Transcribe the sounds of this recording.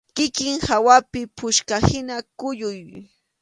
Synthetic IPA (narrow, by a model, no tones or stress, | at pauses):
kɪkɪŋhawapɪpʊʃkahɪnakʊʎʊj